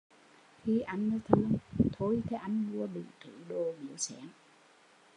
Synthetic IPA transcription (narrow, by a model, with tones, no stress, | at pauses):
xi˧ʔa˧jŋ̟nəː˨˦jt̪ʰɨ˧əŋt̪ʰo˧jt̪ʰe˨˧˦ʔa˧jŋ̟mu˧əɓḭ˧˨t̪ʰɨ˧˩ɗo˧mḭ˧˩˦əwsɛ˧˥n